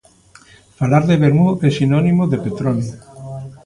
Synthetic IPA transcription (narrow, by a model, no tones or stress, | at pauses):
falaɾðeβeɾmuesinɔnimoðepet̪ɾoni